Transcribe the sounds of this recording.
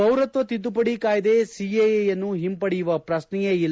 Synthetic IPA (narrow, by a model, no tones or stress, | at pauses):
ɐwɾɐt̪ʋɐt̪id̪upɐɽikaːjɐd̪esiejejɐnːuɦimpɐɽijuʋɐpɾɐsnɛjeilː